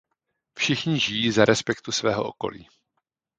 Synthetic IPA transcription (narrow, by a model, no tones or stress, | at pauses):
fʃɪxɲɪʒɪjiːzaɾʔɛspɛkt̪usvɛːɦo̞̰ʔo̰ko̞̰lḭː